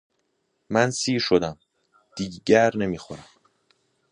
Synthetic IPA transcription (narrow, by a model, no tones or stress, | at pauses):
mænsiːɾʃo̞d̪æm | d̪̥iːɟæɾne̞miːxoɾæm